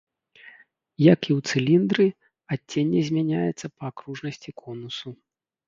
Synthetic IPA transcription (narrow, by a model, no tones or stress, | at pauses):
jɐkiwt̪sɨlʲind̪ɾɨ | atʲːenʲːɛzʲmʲanʲajɛt̪sːɐpɐːkɾuʐnɐsʲt͡sʲikʰɔnusu